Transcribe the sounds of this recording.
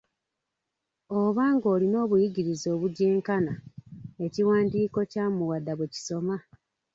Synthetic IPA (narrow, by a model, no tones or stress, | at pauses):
oβaːŋɡo̞ːlino̞ːβujiɟiɾizo̞ːβuɟeːŋkanae̞ciwaːndiːko̞caːmuwadːaβeci̥so̞ma